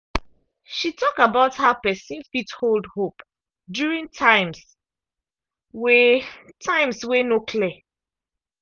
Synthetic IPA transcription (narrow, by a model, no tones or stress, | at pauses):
ʃitʰɔkabaʊthapɛsĩnfitholdhop | djuɹĩŋtʰãɪ̃ms | wɛtʰãɪ̃mswenokʰlɛ